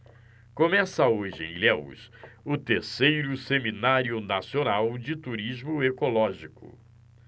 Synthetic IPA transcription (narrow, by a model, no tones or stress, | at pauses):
komɛsɐoʒɪḛ̃j̃lɛwsʊt̪eɾsejɾʊseminaɾjʊnasionawd͡ʒɪt̪uɾizmʊekolɔʒikʊ̰